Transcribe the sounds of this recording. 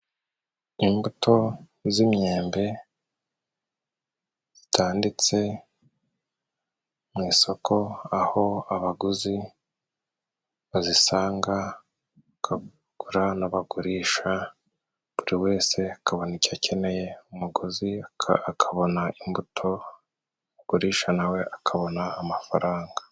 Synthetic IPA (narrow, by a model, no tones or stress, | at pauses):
imbutʰo̞ | zimɲe̞ːmbe̞ | z̥i̥tʰaːndit͡se̞ | mŋiːso̞kʰo̞aho̞aβaɡuzi | βazisaːŋɡa | aka | ɡ̥uɾanaβaɡuɾiːʃa | β̥uɾiwe̞ːse̞akaβo̞nicacʰe̞ne̞je̞umuɡuziaakʰaβo̞naʔimbutʰo̞ | uɡ̥uɾiːʃanawe̞ʔakʰaβo̞naːmafaɾaːŋɡḁ